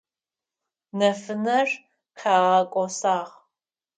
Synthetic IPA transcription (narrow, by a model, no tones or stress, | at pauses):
nɐfɨnɐr | qʰaːʁɐkʷʼɔsaːʁ